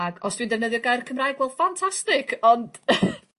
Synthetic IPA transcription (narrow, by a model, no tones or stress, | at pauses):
ɡɔsd̥windɛvnəðjɔɡajrkʰəmrajɡvɛlˠd̥fantʰastɪkʰɔnd̥